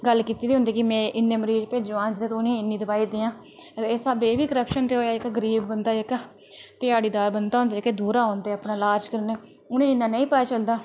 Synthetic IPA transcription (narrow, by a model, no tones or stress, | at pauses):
ɡəlːkiːt̪iːd̪iɦʊ̃nd̪iːkɪmɛ̃ːʔɪnːẽːməɾiːd͡ʒpeːd͡ʒũãːd͡ʒd̪eːt̪ːʊnẽːɪnːĩːd̪əbaːiːd̪iːãː | esabeːbiːkəɾəpʃənt̪eːɦoːjaːɪkɡəɾiːbːənd̪aːɪk | t̪ɪjaːɽiːd̪aːɾbənd̪aːɦõnd̪eeked̪uːɾaːoːnd̪eːaːpnaːlaːd͡ʒkəɾneː | ʊnẽːɪnːãːnəĩːpəaːt͡ʃəld̪aː